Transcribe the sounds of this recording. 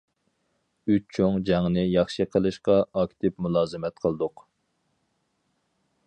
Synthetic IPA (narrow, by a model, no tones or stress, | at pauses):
yt͡ʃt͡ʃʰoŋd͡ʒɑŋnɨjɑχʃɨqʰəlˠɨʃqɑɑkʲt̪ʰɪpmulˠɑːzɨmɛt̪̚qʰəlˠɨd̪ʊq